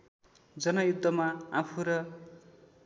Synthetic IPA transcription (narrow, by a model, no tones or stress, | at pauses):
d͡zʌnʌjud̪ʱːʌmaapʰuɾʌ